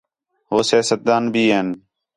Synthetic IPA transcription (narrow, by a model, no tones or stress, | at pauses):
ɦoːsjaːsət̪̚d̪aːnbʱiːɦeːn